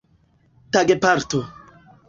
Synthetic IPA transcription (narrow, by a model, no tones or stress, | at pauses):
t̪aɡepaɾt̪o